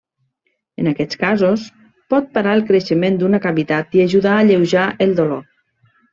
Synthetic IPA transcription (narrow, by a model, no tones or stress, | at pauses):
ənakɛt͡skazos | pɔt̪̚paɾaəlˠkɾəʃəmend̪unakaβit̪at̪iaʒuðaəʎewʒaʔəlˠd̪olo